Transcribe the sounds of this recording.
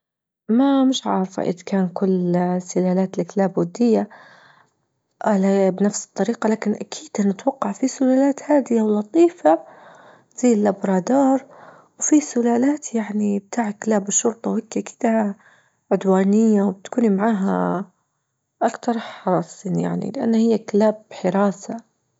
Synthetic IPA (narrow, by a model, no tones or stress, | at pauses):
mamɪʃʕɑːɾˤfa̰ʔɪ̰d̪kaːnkʊlsɪlaːlaːt̪lɪklaːbwʊd̪ːɪjːa | ʔalabnafsɨ̥t̪ˤːɑɾiːqɑlaːkɪnʔakʰiːd̪nɪt̪wɑqːɑʕfisʊlaːlaːt̪haːd̪ɪjawlɑt̪ˤiːfa | z̥ajːɪlʔabɾˤɑːd̪ɑːɾˤ | wfisʊlaːlaːt̪jaʕnib̚t̪ʰaːʕklaːbɪʃːʊɾt̪ˤɑwhakːʔaki̥ːd̪a | ʕʊd̪waːnɪjːawbɪt̪kuːnimaʕaːɦa̰ | ʔakt̪ɑɾˤħɑɾˤɑsˤiːnja̰ʕnḭlɪʔa̰nːahɪjːakalaːbħɪɾaːsa